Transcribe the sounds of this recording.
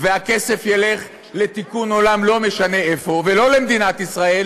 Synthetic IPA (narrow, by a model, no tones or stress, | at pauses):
veake̞se̞fjele̞χ | le̞t̪ikuno̞lamlo̞me̞ʃane̞efo̞velo̞lemd̪inat̪isʁae̞l